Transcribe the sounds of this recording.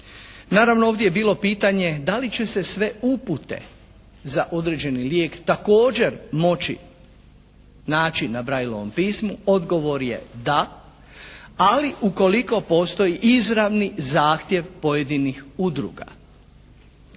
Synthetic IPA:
naːɾaʋnooːʋd̪jejbiːlo̞piːt̪aɲe̞d̪alit͡ɕe̞se̞sʋe̞uput̪e̞̰ | zaʔo̞d̪ɾe̞ːd͡ʑe̞niljeːkt̪ako̞ːd͡ʑe̞ɾmo̞t͡ɕḭ | naːt͡ʃinabɾajlˠo̞̰ʋo̞̰mpiːsmuo̞d̪ɡo̞ʋo̞ɾje̞̰d̪a | liʔuko̞liko̞po̞st̪o̞jiʔizɾaʋnizaːxt̪je̞ʋpo̞je̞d̪inixud̪ɾṵɡa̰

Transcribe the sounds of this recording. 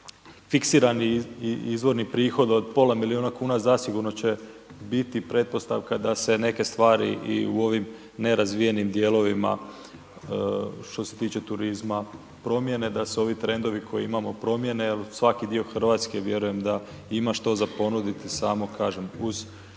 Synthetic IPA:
fiksiːɾaniizʋo̞ɾnipɾiːxo̞d̪od̪̚po̞lˠamilionakuːnazasiɡuɾno̞t͡ɕe̞ | bit̪ipɾe̞t̪̚po̞st̪a̰ʋkad̪ase̞ne̞ke̞st̪ʋaːɾḭʔḭṵo̞ʋim | ne̞ɾazʋijenimd̪je̞ːlo̞ʋima̰ | ʃt̪o̞se̞̥t̪iːt͡ɕe̞t̪uɾizma | pɾo̞mje̞ne̞d̪aseo̞ʋit̪ɾe̞nd̪o̞ʋikʰo̞jiimamo̞pɾo̞mje̞nelsʋakid̪io̞xrʋaːt̪ske̞ʋje̞ɾuje̞md̪a | imaʃt̪o̞zapo̞nud̪it̪isaːmo̞kaːʒe̞muz̥

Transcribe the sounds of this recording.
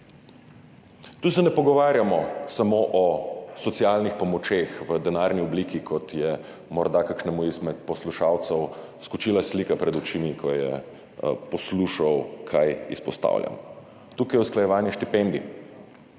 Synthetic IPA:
t̪uːsɛnɛpɔɡɔʋaːɾjamɔsamoːʔɔsɔt̪sialnixpɔmɔt͡ʃeːxʋəd̪ɛnaːɾniɔblikikʰɔt̪jɛ | mɔɾd̪akakʃnɛmuizmɛt̪̚pɔsluʃaːwt̪sɛw | skut͡ʃiːlaslikapɾɛd̪ut͡ʃimikʰɔjɛ̰ | pɔsluːʃawkʰajḭspɔst̪a̰ːwlja̰m | t̪uːkajɛwsklajɛʋaːnjɛʃt̪ipɛnd̪i

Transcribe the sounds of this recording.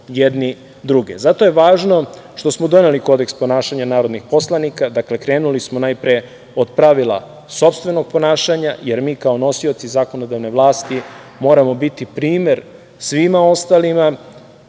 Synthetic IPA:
jed̪ni | d̪ɾuɡḛzat̪o̞je̞ʋaːʒno̞ | ʃt̪o̞smod̪o̞ne̞liko̞d̪ekspo̞naːʃaɲanaːɾo̞d̪nixpo̞slˠanikad̪akle̞kɾe̞ːnulismo̞najpɾe | od̪̚pɾaʋilˠa̰ | so̞pst̪ʋe̞no̞ɡ̚po̞naːʃaɲajeɾmiːkao̞no̞sio̞t̪sizaːko̞nod̪aʋne̞ʋlˠaːst̪i | mo̞ːɾamo̞bit̪ipɾiːme̞ɾ | sʋimao̞st̪alima

